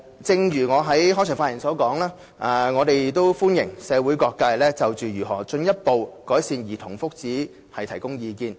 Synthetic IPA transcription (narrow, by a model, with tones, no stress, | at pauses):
t͡sɪ˧ŋɥyː˨˩ŋɔː˨˧ɦɐ˨˥jɦɔː˥t͡ʃʰːŋfaː˧˥jɪ˨˩sɔː˨˥kɔː˨˥ŋlaː˥ | ʔa˨˧ŋɔː˨˧t̪e˨j̚t̪o˥wfuː˥njɪ˨˩ŋsɛː˨˧wu˨˥jkɔː˧kːaː˧jlɛː˥t͡sɐ˨wt͡ʃyː˨jyː˨˩ɦɔ̰ː˨˩t͡ʃɵ˧njɐ˥t̚po˨wkɔː˨˥jsiː˧njiː˨˩t̪ʰʊ˨˩ŋfʊ˥k̚t͡siː˨˥ | hɐ˨jt̪ʰɐ˨˩jkʊ˥ŋjiː˨˧kiː˧n